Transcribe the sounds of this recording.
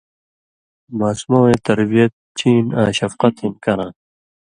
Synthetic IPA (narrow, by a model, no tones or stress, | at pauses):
maːsmõːẽːt̪ɐɾbijɐt̪̚t͡ɕiːna̰ːɕɐfqʌt̪inkɐɾãː